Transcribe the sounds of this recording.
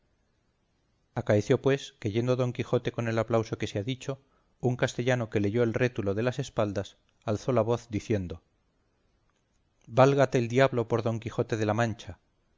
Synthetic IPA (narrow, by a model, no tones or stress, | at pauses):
akaeθjo̞pwe̞ske̞ʝe̞nd̪oðo̞ŋkixo̞t̪e̞ko̞ne̞laplawso̞ke̞seaðit͡ʃo̞ | uŋkast̪e̞ʎano̞ke̞le̞ʝo̞elre̞t̪ulo̞ð̞e̞lase̞spald̪as | alθo̞laβ̞o̞θd̪iθje̞nd̪o̞ | balɣat̪e̞ld̪jaβlo̞po̞ɾðo̞ŋkixo̞t̪e̞ðe̞lamãnt͡ʃa